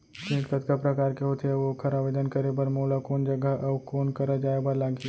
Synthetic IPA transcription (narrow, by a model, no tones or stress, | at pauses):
k̪ĩːkkət̪kapɾəkaːɾkeɦot̪ʰeʋokʰəɾaʋed̪ənkəɾebəɾmolakoːnd͡ʒəɡəʔɐʋkoːnkəɾəd͡ʒaːebəɾlaɡʱi